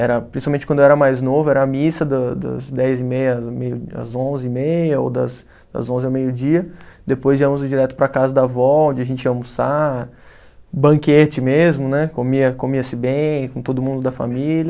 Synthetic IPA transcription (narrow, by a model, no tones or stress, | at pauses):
ɛɾɐpɾĩsiawmẽt͡ʃɪkɐ̃nd̪ʊɛɾɐmajznovʊɛɾɐːmisɐd̪ɐd̪ɐ̰zd̪ɛjzɪmejɐmejʊɐ̰zõzɪimejɐo̰d̪ɐ̰s | d̪ɐ̰zõzɪawmejʊd͡ʒiɐd̪epojziɐ̃mʊzʊd͡ʒiɾɛt̪ʊ̥pɾɐkazɐd̪ɐvɔõd͡ʒɪaʒẽnt͡ʃɪɐ̃mʊsaɾ | bɐ̃ket͡ʃɪmezmʊnɛkomiɐkomiɐsɪbẽj̃kõt̪od̪ʊmũnd̪ʊd̪ɐfa̰milʲɐ